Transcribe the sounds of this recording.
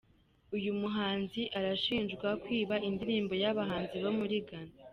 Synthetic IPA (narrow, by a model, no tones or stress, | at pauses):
ujumuɦaːnziʔaɾaʃiːnʒɡwakwiːβaindiɾiːmbo̞jaβaɦaːnziβomuɾiɡana